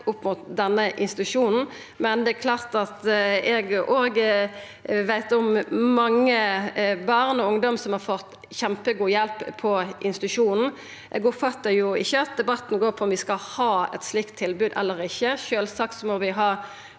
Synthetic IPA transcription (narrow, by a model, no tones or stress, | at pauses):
ʊpːmʊːt̪̚d̪ɛnːəʔɪ̰nst̪ɪt̪ʉʂuːnn̩ | mɛnd̪ɛækʰlɑːʁt̪ɑt̪ɛɡʔoːɡ | ʋæɪt̪ɔmmɑŋːəbɑʁnɔʊŋd̪ɔmsɔmhɑʁfɔt̪ː | çɛmpəɡuːjɛlppʰːɔʔɪnst̪ɪt̪ʉʂuːnn̩ | ʔɛɡʊpfɑt̪ːəjʊɪçːəɑt̪̚d̪ɛbɑt̪ːn̩ɡoːɾpʰɔɔmʋɪskɑhɑːɛ̰t̪slɪkt̪ʰːɪlbʉːd̪ɛ̰lːəɾɪçːəʃøːlsɑk̚t̪sɔmɔʋɪɦɑː